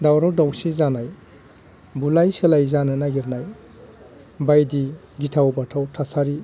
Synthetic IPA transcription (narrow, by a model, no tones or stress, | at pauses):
dawɾɔdawsizanaj | bulajselajzanɯnaɡiɾnaj | bajdi | ɡitʰawbatʰawtʰasaɾi